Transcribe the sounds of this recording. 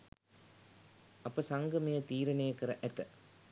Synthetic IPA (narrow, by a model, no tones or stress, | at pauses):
ʔɐpːɐsɐŋɡɐmejɐt̪iːɾɐnejɐkːɐɾɐʔɛt̪ːɐ